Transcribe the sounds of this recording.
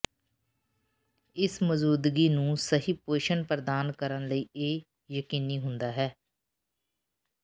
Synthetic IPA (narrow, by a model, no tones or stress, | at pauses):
ɪsməzuːd̪ɡiːnũːsəɦiːpeːʃənpɾəd̪aːnkəɾənləiːeː | jəkiːniːɦʊnd̪aːɦɛː